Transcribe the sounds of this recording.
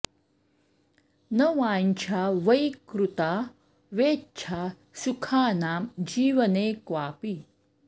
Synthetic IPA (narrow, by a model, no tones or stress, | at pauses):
nɐʋaːɲt͡ɕʰaːʋɐjkɾut̪aː | ʋeːt͡ʃʰaː | sukʰaːnaːmd͡ʑiːʋɐneːkʋaːpiː